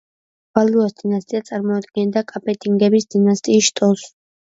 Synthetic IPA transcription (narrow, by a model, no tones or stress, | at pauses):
b̥aluasd̪inast̪ʼiat̪sʼaɾmɔad̪̚ɡɛnd̪akʼapʼɛt̪ʼiŋɡɛbisd̪inast̪ʼiːsʃt̪ʼɔs